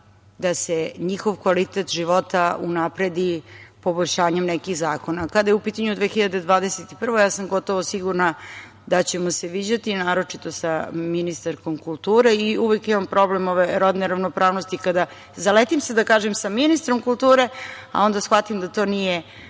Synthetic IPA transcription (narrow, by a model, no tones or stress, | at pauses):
d̪aseɲixo̞ʋkʋalit̪et̪ʒiʋo̞t̪aunapɾe̞d̪ipo̞bo̞ʎʲʃaːɲemnekiɣzaːko̞nakad̪ajeupiːt̪aɲud̪ʋeːxiʎad̪e̞d̪ʋaːd̪eset̪i̥pr̩ʋo̞jaːsamɡo̞t̪o̞ʋo̞siɡuɾna | d̪at͡ɕe̞moseʋid͡ʑat̪inaːɾo̞t͡ʂit̪o̞saminist̪aɾkomkulˠt̪uːɾeiuʋekimampɾo̞blemoʋeɾod̪neɾaʋnopɾaːʋnost̪ikad̪a | zalet̪imsed̪akaːʒemsaminist̪ɾomkulˠt̪uːɾe̞a̰o̞nd̪asxʋat̪imd̪at̪o̞ːnije